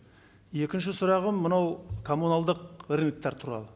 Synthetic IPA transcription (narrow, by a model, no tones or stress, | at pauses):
je̞kʲɪnʃ̬ɪsʊɾɑʁəmːənɑwkʰo̞munalˠd̪əqɪɾʲmʲɪk̚t̪ɑɾt̪ʰuɾɑ̰lˠə